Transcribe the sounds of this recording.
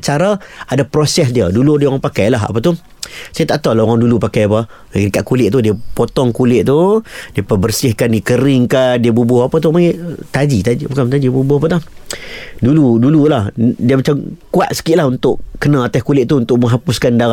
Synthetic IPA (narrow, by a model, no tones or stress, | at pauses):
t͡ʃaɾaadapɾosɛsdiəduludiəoɣaŋpakajlaɦa̰pət̪ʊh | sajət̪aʔt̪awlaoɣaŋdulupakajapə | ɡdikaʔkulɪʔt̪udiəpot̪ɔŋkulɪʔ̚t̪udiəpabərsɪhkandikəɾɪŋkadiəbubʊhapat̪̬ʊhmaŋit̪ad͡ʒit̪aibukamt̪ad͡ʒibubʊhapət̪a | duludululahdiəmat͡ʃamkua̰t̪̚sə̥kiʔlahunt̪ʊʔkənãat̪askulɪʔ̚t̪uunt̪ʊʔməŋɦapʊskanda